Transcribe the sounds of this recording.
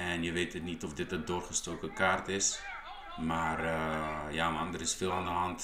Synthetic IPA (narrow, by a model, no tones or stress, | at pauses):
ɛnjəʋeːtətnitɔfdɪtədoːrχəstoːkəkaːrtɪs | maːr | jamɑndəɾɪsfɪːlˠandəɦɑnt